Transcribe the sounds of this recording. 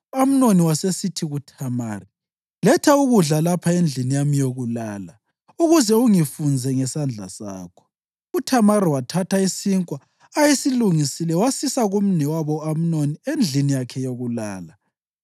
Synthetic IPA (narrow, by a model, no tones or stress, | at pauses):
am̩noniwasesitʰiɣutʰamaːri | lɛtʰauɣuɮalapʰaend͡ɮʱinijamijoɣulaːla | uɣuzɛuŋifund͡zʱɛŋɛsand͡ɮʱa̰sa̰ːkʰɔ̥ | utʰamaɾiwatʰatʰaisiŋkʼwaː | jesiluŋisilɛwasisaɣum̩nɛwaβɔam̩noniend͡ɮʱinijakʰɛjoɣulaːla